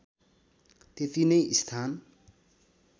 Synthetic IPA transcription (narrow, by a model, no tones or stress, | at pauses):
t̪et̪inʌjʔist̪ʰan